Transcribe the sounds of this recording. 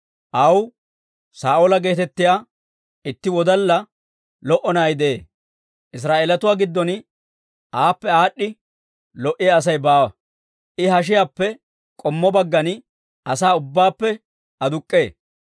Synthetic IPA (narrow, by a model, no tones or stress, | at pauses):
ʔɐw | saːʔoːlɐɡe̞ːt̪ɛt̪ːɪjaː | ɪt̪ːɪwɔd̪ɐlːɐ | lɔʔɔnaːjd̪eeː | ʔɪs̬ɾaːʔeːlɐt̪ʊwaːɡɪd̪ːɔn | ʔaːpːɛaːɗːɪ | lɔʔɪjaɐs̬ɐjbaːwɐ | ʔɪɦɐʃ̬ɪjaːpːɛ | kʼɔmːɔbɐɡːɐn | ʔɐsaːʊbːaːpːɛ | ɐd̪ʊkʼːe̞ː